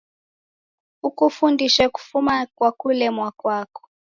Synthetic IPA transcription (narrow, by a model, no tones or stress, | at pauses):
ukufundiʃaku̥fumakwakulɛmwakwaːkɔ̥